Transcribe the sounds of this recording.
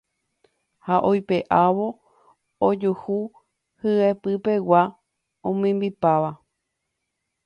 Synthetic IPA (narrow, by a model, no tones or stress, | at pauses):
haʔojpe̞ʔaʋo̞ | od͡ʒuhu | hɨepɨpe̞wa | õmĩmbipaʋa